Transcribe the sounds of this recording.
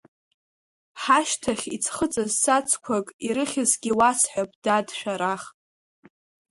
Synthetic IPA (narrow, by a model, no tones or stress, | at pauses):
ħaʃtʰaχʲit͡sʰχət͡sʼazsat͡sʰkʷʰakʼiɾɨχʲɪzɡʲiwasħʷᶣapʼdadʃᶣaɾaχ